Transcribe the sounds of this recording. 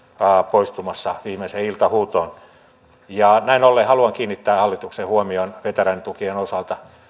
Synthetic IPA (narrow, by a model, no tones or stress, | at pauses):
ɑpoist̪umɑsːɑʋiːmeseilt̪ɑhuːt̪oːn | jɑnæinolːehɑluɑŋkiːnːit̪ːæːhɑlːit̪uksehuomionʋet̪æræint̪ukienosɑlt̪ɑ